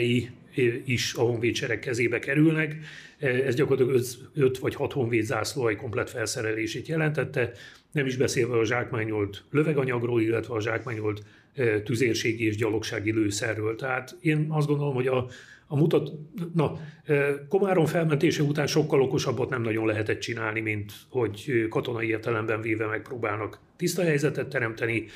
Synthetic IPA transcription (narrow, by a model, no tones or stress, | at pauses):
ji | iʃɒho̞ɱveːt̪t͡ʃɛɾɛkːɛzeːbɛkɛɾylnɛk | ɛzɟɒkorlɑt̪ɒɡøzøt̪ʋɒchɒt̪ho̞ɱveːd̪zaːsloːjiko̞mplɛt̪fɛlsɛɾɛleːʃeːt̪jɛlɛnt̪ɛt̪ːɛnɛmiʒbɛseːlvɛɒʒaːkmaːɲolt̪løvɛɡɒɲɒɡroːlilːɛt̪ʋɛɒʒaːkmaːɲolt̪ː | yzeːrʃeːɡieːʒɟɒlo̞kʃaːɡiløːsɛrːøːlt̪ɛɦaːt̪eːnɒzdɡo̞nd̪olo̞mho̞ɟɒː | mut̪ɒt̪nɒøko̞maːɾo̞ɱfɛlmɛnt̪eːʃɛut̪aːnʃo̞kːɒloko̞ʃɒbːot̪nɛmnɒɟo̞nlɛɦɛt̪ɛt̪t͡ʃinaːlnimint̪ho̞ɟkɒt̪o̞nɒieːrt̪ɛlɛmbɛɱveːvɛmɛk̚proːbaːlnɒk | t̪ist̪ɒɦɛjzɛt̪ɛt̪ːɛɾɛmt̪ɛni